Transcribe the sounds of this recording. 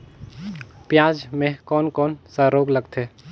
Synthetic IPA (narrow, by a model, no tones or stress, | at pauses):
pjaːd͡ʒmẽkɔːnkɔːnsəɾoːɡləɡt̪ʰeː